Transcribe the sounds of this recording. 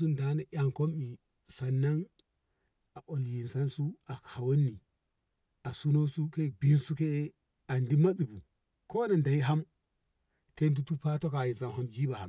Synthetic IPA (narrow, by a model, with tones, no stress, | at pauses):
su˦nda˨˦na˨ʔʲa˨ŋko˦mi˨ | sa˨nːa˦ŋ | a˨ʔo˨lji˨nsa˦nsu˦a˨kʰa˨wo˦nːi˨ | a˨su˦no˦su˦ke˦˨ɡ͡bi˦nsu˦ke˦ | a˨ndi˦ma˦ɗi˨bu˨ | ko˦na˨nda˨i˦ɦa˦m | te˦ndu˦tu˦pa˦to˦ka˨ji˨sa˨nɦa˦md͡ʒi˦ba˨ha̰˨m